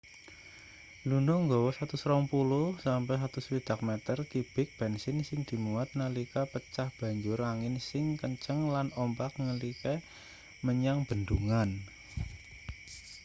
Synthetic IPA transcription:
lunɔŋɡowɔsat̪usɾɔŋpulʊhsampɛɦat̪uspid̪̥a̤k̚mɛt̪ərt̪ib̥ɪk̚b̥ɛnsɪnsɪŋd̪̥i̤muat̪̚nəlikapət͡ʃahb̥a̤ɲd͡ʒʊɾaŋɪnsɪŋkəɲt͡ʃəŋlanɔmpak̚nəlikɛ | məɲaŋb̥ənd̪uŋan

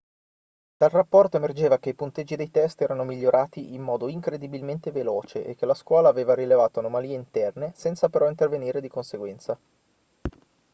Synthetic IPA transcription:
d̪̥alrapːɔrt̪oemerd͡ʒeːvak̟eipunt̪ed͡ʒːid̪ejt̪ɛst̪ɛːɾanomiʎːoɾʔaːt̪iʔimːɔːd̪oiŋkɾed̪ibilment̪eveloːt͡ʃeʔḛk̟ːelaskwɔːlaːveːvaɾilevaːt̪oanomaliːeint̪ɛrnesɛnt̪sapeɾɔint̪erveniːɾed̪ikonseɡwɛnt̪sa

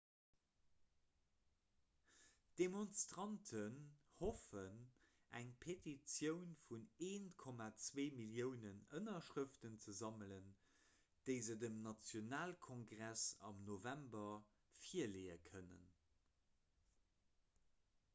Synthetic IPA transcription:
d̥emonstʁɑntʰənhofən | ʔæŋpʰetit͡sjəʊnfuneːnkʰɔmat͡sveːmiljəʊnənənɐʃʁəftənt͡səzɑmələn | d̥əɪzədəmnɑt͡sjonaːlkʰɔŋɡʁæsɑ̰mnovæmbɐ | fiɐleːəkʰənə̰n

